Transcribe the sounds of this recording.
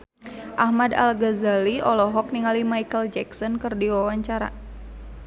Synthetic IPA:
ʔahmada̰lɡazaliɔlɔɦɔk̚niŋalimajkəld͡ʒɛksɔnkɨrdiwawaɲt͡ʃaɾa̰

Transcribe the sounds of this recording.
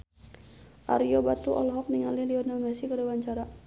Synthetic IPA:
ʔa̰ɾiɔbat̪uʔɔ̰lɦɔk̚niŋaliliɔnamasikədawaɲt͡ʃaɾa

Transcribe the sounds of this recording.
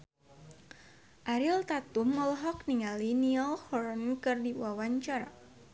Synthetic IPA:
ʔaɾilt̪at̪uməlɦɔk̚niŋaliniɔlhɔɾankɨrdiwawaɲt͡ʃaɾa̰

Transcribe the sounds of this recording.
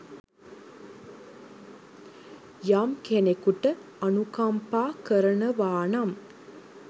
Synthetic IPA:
jamkenekuʈəanukampaːkəɾənəʋaːnam

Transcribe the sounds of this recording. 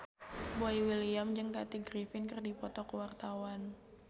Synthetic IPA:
boiwiliamd͡ʒɨŋkat̪iɡɾifɪnkərdipɔt̪ɔkəwart̪awan

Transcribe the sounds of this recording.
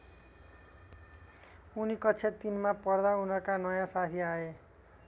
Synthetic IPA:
unikʌtːt͡sʰet̪inmapʌrd̪aunʌrkanʌjãsat̪ʰiae

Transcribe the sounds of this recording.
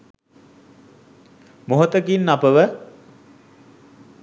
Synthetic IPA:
moɦot̪əkinːapəʋə

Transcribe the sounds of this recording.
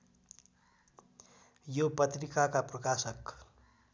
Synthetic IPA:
jopʌt̪rikakaprʌkasʌk

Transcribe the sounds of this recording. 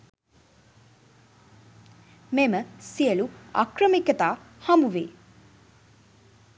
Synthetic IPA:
meməsiəlua̰krəmikət̪aː | hambuʋḛː

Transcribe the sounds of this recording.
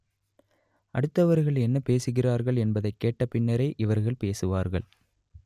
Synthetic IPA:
ʔɐɽɯt̪ːɐʋɐɾɣɐɭɛnːɐpeːsɯɣɪraːɾɣɐɭɛnbɐðɐɪkːeːʈːɐpɪɳːɐɾɐɪʔɪʋɐɾɣɐɭpeːsɯʋaːɾɣɐ̰ɭ

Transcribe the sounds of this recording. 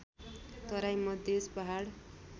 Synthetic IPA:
t̪ʌɾajmʌd̪espʌɦaɽ

